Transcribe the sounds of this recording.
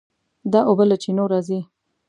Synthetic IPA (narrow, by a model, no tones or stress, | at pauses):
d̪ɑʔobəlat͡ʃinoɾɑzi